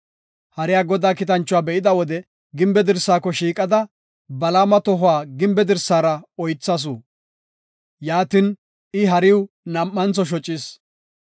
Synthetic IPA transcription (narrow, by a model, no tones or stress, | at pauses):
hɐɾɪjaːɡɔd̪aːkɪt̪ɐnt͡ʃːʊwaːbɛʔɪd̪ɐwɔd̪ɛ | ɡɪmbɛd̪ɪɾsːaːkːɔʃiːkʼɐd̪ɐ | bɐlaːmɐt̪ɔɦʊaːɡɪmbɛd̪ɪɾsːaːɾɐɔjt͡sːɐs̬uː | jaːt̪ɪn | ɪɦɐɾɪw | nɐmʔːɐnt͡sɔʃ̬ɔt͡ʃʼːɪs